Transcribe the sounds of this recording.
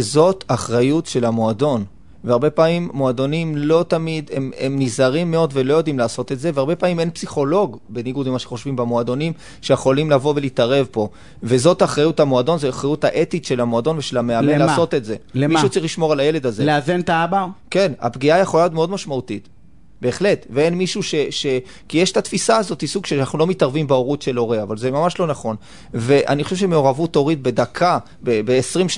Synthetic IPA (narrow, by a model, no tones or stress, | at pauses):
zo̞t̪aχʁajutʃe̞lamoado̞n | veaʁbe̞pamimːoado̞nimlo̞tamid̪ememnizaʁimːe̞o̞dvelo̞jo̞dimlaːso̞tetze̞veaʁbe̞pamime̞npsiχo̞lo̞ɡbeniɡudimaʃeχo̞ʃvimbemoado̞nim | ʃe̞jeχo̞limlavo̞ve̞litaʁe̞vpo̞ | ve̞zo̞taχʁajuthamoado̞nzeaχʁajuthaʔe̞titʃe̞lamoado̞nveʃe̞lameammlelaːso̞te̞tze̞mʃut͡saʁiχliʃmo̞ʁalajele̞dazeleazent̪aabake̞na̰pɡiajaχolajotme̞o̞d̪maʃmautit | be̞ːχle̞tveenmiʃuʃe̞ʃe̞ | kijeʃt̪atfisaːzo̞thisuɡʃeanaχnulo̞mitaʁvimbeoʁut̪ʃelo̞ʁeavalzemamaʃlo̞naχo̞n | ve̞ʔa̰nixoʃeʃemeo̞ʁavuto̞ʁit̚be̞d̪akʰa | bebeːsʁimʃ